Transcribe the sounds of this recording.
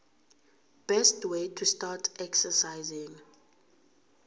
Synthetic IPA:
b̥ɛstwetʰustatʰɛksəsajzĩŋ

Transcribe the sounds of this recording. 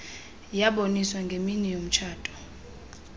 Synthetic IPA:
jaɓoniswaŋɡʱeminɛjom̩t͡ʃʰaːtʼɔ̥

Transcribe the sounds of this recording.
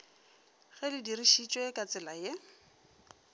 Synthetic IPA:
ɣɛlɪdiriʃit͡ʃʼwekʼat͡sʼɪlaje

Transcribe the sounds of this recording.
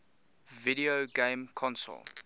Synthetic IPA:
viɾioɡẽmkʰɔ̃nsə̰lˠ

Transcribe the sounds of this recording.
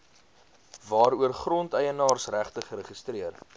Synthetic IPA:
vɑːɾuərχrɔntəjənɑːrsræχtəχəɾəχəstriər

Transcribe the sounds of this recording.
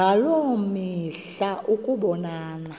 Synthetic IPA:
alomiɬ | aʔukʼuɓɔnaːna

